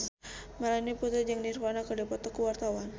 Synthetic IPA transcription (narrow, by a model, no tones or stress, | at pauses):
malaniput̪ɛd͡ʒaŋnirwanakadapɔt̪ɔkəwart̪awan